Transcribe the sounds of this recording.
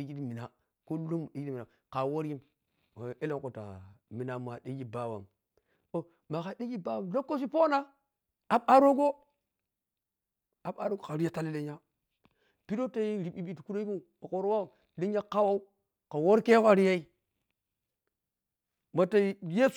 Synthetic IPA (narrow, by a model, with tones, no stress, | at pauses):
i˨˦d͡ʒi˦ti˦mi˨na˨ | ko˦lo˦m˨i˦d͡ʒi˦i˦mi˨na˨ | ka˨wo˦ɾji˦m˨ | e˦le˦ŋko˨ta̰˨mi˨na˨ma˨ɗi˦ɡi˦ba˦wa̰˨m | o˦ | ma˨ka˨di˦ɡi˦ba˦wa˨lo˦kːo˦s̬i˦po˦na˦ | a˨ɓa˦ɾo˦ɡo˦ | a˨ɓa˦ɾo˦ɡo˨ka˨ɾi˦ja˦ta˦le˦le˦ɲa˦ | pi˦ɾo˦ta˦i˦ɾi˨ɓi˦ɓi˦tku˦ɾo˦i˦u˦ | a˨ko˨ɾo˦wa˦o˨ | le˦ɲa˦ka˦wa˦u˦ | ka˨wo˦ɾke˦ka˨ɾi˦ja˦i˦ | ma˨ta˨˦je˦f